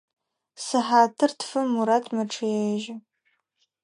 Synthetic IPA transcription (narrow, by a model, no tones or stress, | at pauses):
sɨħaːtʰɨrtʰfɨmːuɾatʰmɐʈ͡ʂʰɨjeʒɐ